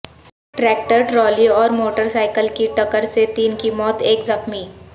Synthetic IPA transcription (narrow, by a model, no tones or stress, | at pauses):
ʈʈɾɛːk̚ʈəɾʈɾɔːliɔːɾmoːʈəɾsaːɪkəlkiʈɐkəɾset̪iːnkimɔːt̪eːkzɐxmi